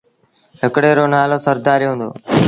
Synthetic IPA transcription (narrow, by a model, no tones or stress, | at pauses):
ɦɪkɽeːɾoːnaːloːsəɾd̪aːɾjɦʊ̃ːnd̪o̰ː